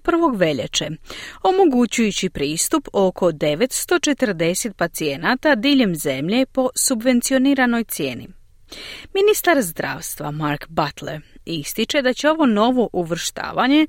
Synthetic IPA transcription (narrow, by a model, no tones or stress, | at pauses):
pr̩ʋo̞ɡʋe̞ʎḛt͡ʃeo̞mo̞ɡut͡ɕujut͡ɕipɾiːst̪upo̞kʰo̞d̪e̞ʋe̞t̪st̪o̞t͡ʃe̞t̪r̩d̪e̞se̞t̪̚pat̪sie̞nat̪ad̪iːʎe̞mze̞mʎe̞po̞subʋe̞nt̪sio̞niːɾano̞jt̪sje̞̰ːnḭ | minist̪aɾzd̪ɾa̰ːʋst̪ʋa̰maɾkbat̪leɾist̪it͡ʃe̞d̪at͡ɕe̞o̞ʋo̞no̞ʋo̞ʔuʋr̩ʃt̪a̰ːʋaɲe̞